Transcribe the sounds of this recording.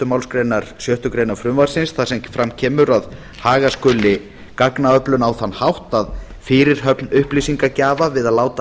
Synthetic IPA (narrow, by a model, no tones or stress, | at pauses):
t̪ʏmawlskɾejnaɾ̥sjœht̪ʏkɾejnaɾfɾʏmvaɾ̥sɪnsθasɛmfɾamcʰɛːmʏɾað | haːɣaskʏːlɪ | kaknaœplʏnawθanːhawht̪að | fɪːɾɪɾ̥ɦœpnʏhplisiŋkacaːvavɪðaðlaːwt̪a